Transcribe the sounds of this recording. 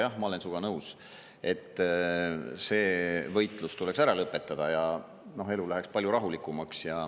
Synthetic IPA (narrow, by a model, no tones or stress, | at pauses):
jɑhmɑole̞nsuɡ̥ɑnɤws | e̞t̪ːˑ | se̞ːvɤ̞jt̪ˑlust̪ule̞ksæɾɑlɤpːˑe̞t̪ːˑɑd̪̥ɑjɑ | no̞ɦe̞lulæɦe̞kspɑlʲjuɾɑɦulikːˑumɑksjɑ